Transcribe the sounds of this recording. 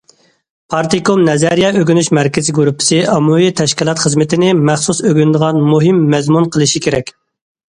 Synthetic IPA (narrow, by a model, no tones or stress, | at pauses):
pʰɑɾt̪ikomnɛzɛɾijɑøɡʲynyʃmɛɾkʲɪzɪɡuɾupʰːɪ̥sɪʔɑmuwit̪ʰɛʃkʲilˠɑt̪χəzmɪt̪ʰɪnɪmæχsusøɡʲynd̪əʁɑnmuɦɪmːɛzmunqʰəlˠɨʃikʲʰeɾɛkʲ